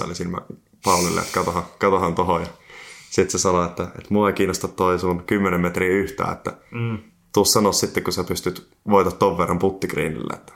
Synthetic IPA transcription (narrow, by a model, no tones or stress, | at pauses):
o̰lisilmæ̰ | pɑˑulilːḛḛt̪kɑt̪ohɑkɑt̪ohɑnt̪ohojɑsit̪sesɑnoet̪ːæḛt̪muɑekiːnːˑost̪ɑt̪t̪oisunkymːenemmet̪riːyht̪æ̰ːet̪ːæ | t̪uossɑnossit̪ːekkusæpyst̪yt̪ | ʋoˑit̪ɑt̪toʋʋerːɑmput̪ːikrḭːnḭlːḛet̪ːæ̥